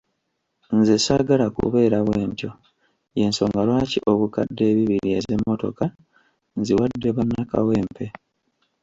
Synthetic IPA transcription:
nzesaɡalakṵβe̞ːɾaβweːntjo̞ | je̞nso̞ːŋɡalwaːciʔo̞βuka̰dːe̞ːβiβiɾie̞ze̞mːo̞to̞̰ka | nziwadːe̞βanːaka̰we̞ːmpʰe̞

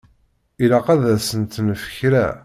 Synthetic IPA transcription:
ilaqæðæsənt̪nəfə̥çɾæ̰

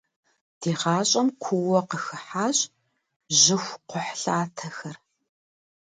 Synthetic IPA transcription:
d̥iːʁɑːɕʼɐmkʷʰʊwɔqəxɨħaːɕʼ | ʑɪxʷqʷʊħɬaːtʰɐxɐr

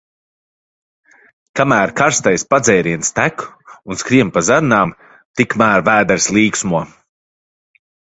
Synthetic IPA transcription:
kamæːɾkaɾst̪ajspad̪zɛjɾiɛnst̪ækunskɾiɛmpazaɾnaːm | t̪ikmæːɾvæːd̪ɛɾslˠiːksmuɔ

